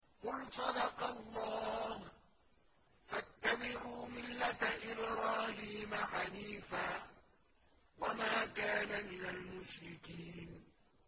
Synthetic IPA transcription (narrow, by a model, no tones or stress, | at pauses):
qʊlsˤɑd̪ɑqɑlˤːɑːh | fat̪ːabɪʕuːmɪlːat̪aʔɪlɾˤɑːlɪhɪmaħaniːfaː | wamaːkaːnamɪnalmʊʃɾɪkiːn